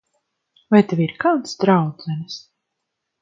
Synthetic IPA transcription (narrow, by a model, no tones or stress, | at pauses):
vajt̪evʲiɾkalˠt̪sd̪ɾawd̪zɛnʲis